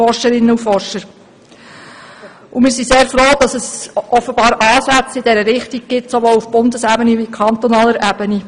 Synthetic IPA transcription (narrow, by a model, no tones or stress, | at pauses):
ɔrʃəɾɪnːəufɔrʃəɾ | ʔumɪːɾsiseːɾfɾoːd̥ɑsəsʔɔfːəbɑːɾʔɑːsæt͡sɪd̥ɛɾəɾɪχtiɡ̚ɡ̥ɪtsoʋoːlufb̥ʊndəsæbənivikʰχɑnt̪ɔnɑːləɾʔæbəni